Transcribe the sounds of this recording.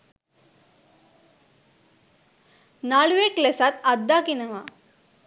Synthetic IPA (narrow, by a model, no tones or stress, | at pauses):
naɭueklesɐt̪ɐd̪ːaːkinɐʋa